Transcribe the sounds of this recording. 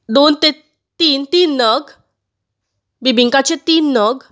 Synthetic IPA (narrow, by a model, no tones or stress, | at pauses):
d̪ont̪e | t̪iːnt̪iːnːəɡ | bibʱiŋkat͡ɕet̪iːnːəɡ